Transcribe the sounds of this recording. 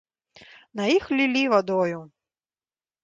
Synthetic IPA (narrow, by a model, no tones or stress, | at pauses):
nɐjixlʲilʲivad̪ɔju